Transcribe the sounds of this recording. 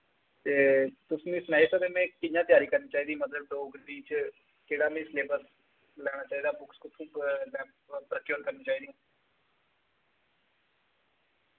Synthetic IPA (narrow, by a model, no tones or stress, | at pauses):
t̪eːt̪ʊsnĩːsnɛːɪsoːɾeːmɛ̃ːkɪjãːt̪ɪjaːɾiːkəɾniːt͡ʃaːiːd̪ĩːmət̪ləbd̪oːɡɾiːt͡ʃ | keːɽaːmĩːsleːbəɾs | lɛːɽ̃aːt͡ʃaːiːd̪aːbʊkskʊt̪ʰũːlɛːp | pɾəkjoːɾkəɾnĩːt͡ʃaːiːd̪iːãː